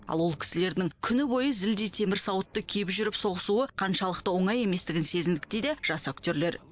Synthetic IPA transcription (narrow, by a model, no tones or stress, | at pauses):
ɑ̰lˠwo̞lˠkʲʰɪ̥sɪle̞ɾd̪ɪŋkʲʰʏnɪbo̞jəzɪld̪ejt̪ʰe̞mɪɾsɑwət̪ːəkʲʰepʒʏɾɪpso̞ʁəsuəqʰɑnʃɑlˠəq̚t̪əwo̞ɴɑje̞me̞st̪ɪɡʲɪnse̞zɪnd̪ɪk̚t̪ed̪eʒ̥ɑsokt̪eɾle̞ɾ